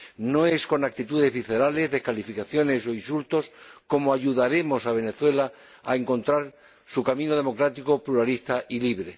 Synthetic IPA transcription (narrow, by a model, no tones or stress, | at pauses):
no̞e̞sko̞nak̚t̪it̪uðe̞zβiθe̞ɾale̞zðe̞hkalifikaθjo̞ne̞so̞insult̪o̞sko̞moaʝuðaɾemo̞saβ̞e̞ne̞θwe̞la | a̰eŋko̞nt̪ɾaɾ | sukamĩnoð̞e̞mo̞kɾat̪iko̞pluɾalist̪aʔiliβ̞ɾe̞